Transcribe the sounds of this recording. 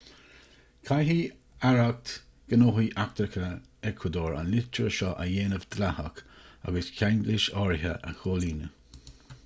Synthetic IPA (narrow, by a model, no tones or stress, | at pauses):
kʰajɦi | aɹak̚t̪ | ɡ̥ənoːɦiʔak̚t̪ɾəkʰə | ɛkʰwəd̪oːɹa̰nlɪt͡ʃʰəɾəʃɔʔəjeːnəvd̪lahə̰ka̰ɡəskʰanɡlɪʃɑːɹɪɦə̰ʔə̰xoːliːnə